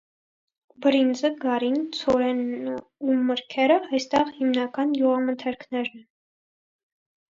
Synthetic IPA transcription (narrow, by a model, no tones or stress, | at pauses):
bəɾind͡zəɡɑɾint͡sʰɔɾɛn | uməɾkʰɛɾəɑjst̪ɛʁhimnɑkɑnjuʁɑmənt̪ʰɛɾkʰnɛɾnɛ